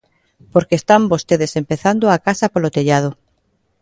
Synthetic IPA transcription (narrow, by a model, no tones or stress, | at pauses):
poɾkeːst̪ambost̪eðesempeθand̪oakasapolot̪eʎað̞o